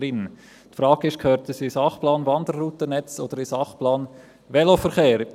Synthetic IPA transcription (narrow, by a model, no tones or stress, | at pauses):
ɾɪn | tfɾɑːɡɪʃkʰhøːɾt̪əsisɑχplɑːnvɑnd̪ərːuːtənɛt͡so̰d̥̪əɾɪsɑχplɑːn | ʋɛlofəɾχeːɾ